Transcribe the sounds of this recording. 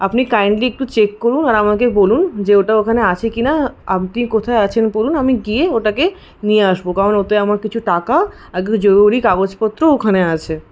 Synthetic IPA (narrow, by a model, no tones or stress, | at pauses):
apnikajɳɖliek̚ʈut͡ɕekːoɾunaɾamakebolund͡ʑeoʈaokʰaneat͡ɕʰekinaa̰ʈikot̪ʰaeat͡ɕʰenpoɾunamiɡieoʈake | nieaʃbokaɾonot̪eamaɾkit͡ɕʰuʈaka | ɛɡd͡ʑoɾuɾikabot͡ɕpɔt̪ːɾookʰaneat͡ɕʰe